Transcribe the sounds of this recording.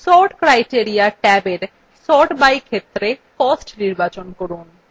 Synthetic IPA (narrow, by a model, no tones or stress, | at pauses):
sɔʈkɾajʈieɾijaʈɛbeɾ | sɔʈbajkʰet̪ːɾekɔsʈniɾbat͡ɕonkoɾun